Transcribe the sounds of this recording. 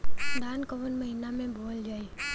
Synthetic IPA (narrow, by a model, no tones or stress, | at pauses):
d̪aːnkəʋənmɐɦiːnamẽboːld͡ʒaːi